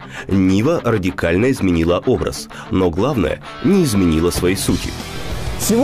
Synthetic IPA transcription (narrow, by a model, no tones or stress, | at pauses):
nʲivərədʲɪkalʲnəɪzmʲɪnʲilˠəʔo̞bɾə̰s | noɡlˠavnə̰jə̰ | nʲɪːzmʲɪnʲilˠəsvɐisutʲɪ̰sʲɪ